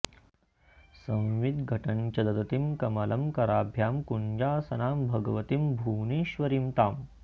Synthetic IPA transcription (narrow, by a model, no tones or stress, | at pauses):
sɐ̃w̃ʋid̪ɡʱɐʈɐnt͡ʃɐd̪ɐd̪ɐt̪imkɐmɐlɐmkɐɾaːbʱjaːmkuɲd͡ʒaːsɐnaːmbʱɐɡɐʋɐt̪imbʱuːniːʃʋɐɾimt̪aːm